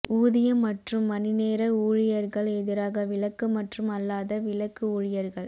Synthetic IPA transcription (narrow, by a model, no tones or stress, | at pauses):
uːðɪjɐmːɐʈrɯmːɐnɪneːɾɐuːɻɪjɐɾɣɐɭɛðɪɾaːɣɐʋɪlɐkːɯmɐʈrɯmɐlːaːðɐʋɪlɐkːɯuːɻɪjɐɾɣɐɭ